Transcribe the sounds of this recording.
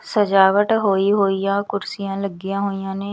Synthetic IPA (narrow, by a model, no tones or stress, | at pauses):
səd͡ʒaːʋəʈɦoːiɦoːijãːkʊɾsɪjãːləɡɪjãːɦoːijãːnẽː